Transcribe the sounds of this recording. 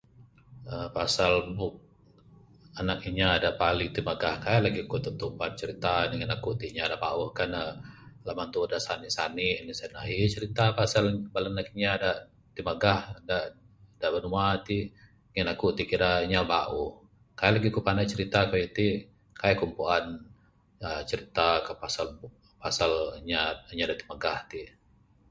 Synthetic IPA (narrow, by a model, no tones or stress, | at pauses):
əpasalbʊk̚ | anak̚iɲaːdaʔpaliŋt̪imaɡahkajaʔlaɡikut̪ut̪uʔpan̚t͡ʃəɾit̪aniŋinakut̪iʔɲadaʔba̰uhkanəlamant̪udaʔsaniʔsaniʔnisanaɦit͡ʃəɾit̪apasalbalanakiɲaːdaʔ | t̪iməɡahda | daʔbənumat̪i | ŋinakuʔt̪ikiɾaɲabaʔuh | kajalaɡikupanat͡ʃəɾit̪akajit̪i | kajakumpuan | ət͡ʃəɾit̪akapasal | pasalɲaɲadaʔt̪iməɡaht̪i